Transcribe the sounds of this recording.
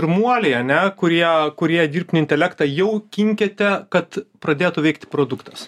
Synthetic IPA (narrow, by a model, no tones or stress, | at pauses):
ɪrɾmuɔlʲɛɪɐnʲɛkʊɾʲiɛkʊɾʲiɛd̪ʲiːrp̚ʲt̪ʲnʲɪnʲt̪ʲɛlʲækt̪ɑjɛʊkʲɪŋʲkʲet̪ʲɛkɐt̪pɾɐd̪ʲeːt̪ʊʋɛɪk̚t̪ʲɪpɾoːd̪ʊkt̪ɐs